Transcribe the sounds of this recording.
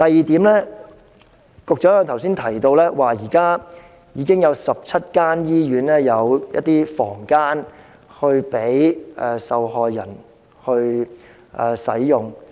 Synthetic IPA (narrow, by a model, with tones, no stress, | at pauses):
t̪ɐ˨jiː˨˧t̪iː˨˥mlɛː˥ | kʊ˨k̚t͡ʃɔː˨˥˨t̪ʰɐ˨˩wsiː˥nt̪ʰɐ˨˩jt̪o˧wlɛː˥waː˨˩jiː˨˩kaː˥ | jiː˨˥kɪ˥ŋjɐ˨˧wsɐ˨p̚t͡sʰɐ˥t̚kaː˥njiː˥jyː˨˥nɛː˥jɐ˨˧wjɐ̰˥t̚t̪iː˥fɔ̰ː˨˩ŋkaː˥n | hɵ˧ɥpe˨˥jʔɛ˨sɐ˨whɔː˨jːɐ˨˩n | hɵ˧ɥ | ʔɛː˨sɐ̰˨˥jjʊ˨ŋ